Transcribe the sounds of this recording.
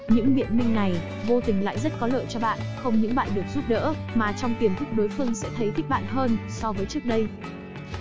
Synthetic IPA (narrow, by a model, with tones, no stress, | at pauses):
ɲɨ̰˧˥ŋɓḭ˧˨ənmï˧ŋ̟na˨˩j | vo˧t̪ï˨˩ŋ̟la̰ː˧˨jzə˦˥t̚kɔ˨˦lə̰ː˧˨jt͡ɕɔ˧ɓa̰ː˧˨nxə˧wŋ͡mɲɨ̰˧˥ŋɓa̰ː˧˨nɗɨ˨˩ək̚zu˦˥p̚ɗə̰ː˧˥maː˨˩t͡ɕɔ˧wŋ͡mk̪i˨˩ənt̪ʰɨ˦˥k͡p̚ɗo˨˦jfɨ˧əŋsɛ̰˧˥t̪ʰə˨˦jt̪ʰi˦˥k̟̚ɓa̰ː˧˨nɦəː˧nsɔ˧vəː˨˦jt͡ɕɨ˦˥ək̚ɗə˧j